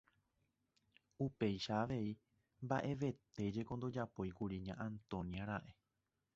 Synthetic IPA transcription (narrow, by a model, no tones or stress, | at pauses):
upe̞jʃaːʋe̞i | mba̰ʔe̞ʋe̞t̪e̞d͡ʒe̞kõ̞nd̪o̞d͡ʒapo̞jkuɾiɲãʔãnt̪õ̞njaɾaʔe